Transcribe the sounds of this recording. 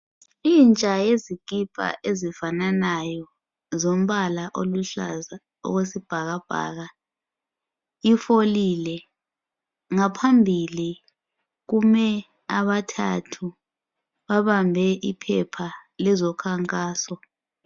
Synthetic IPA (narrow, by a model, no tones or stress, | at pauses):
iːnt͡ʃʼajeziɡ̥ʱʼib̥ʼʱa̰ʔezifananajɔ | zom̩βalaʔoluɬa̰za | ɔ̰ɣwesib̥ʱaɣab̥ʱa̰ːɣa | ifolilɛ | ŋapʰambʱili | ɣumɛ | aβatʰa̰tʰu | βaβambʱɛʔipʰɛpʰalɛzɔkʰaŋkʼaːsɔ